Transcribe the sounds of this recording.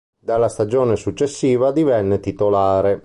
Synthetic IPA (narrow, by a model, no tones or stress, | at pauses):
d̪alːast̪ad͡ʒɔːnesut͡ʃːesːiːvad̪ivɛnːet̪it̪olaːɾe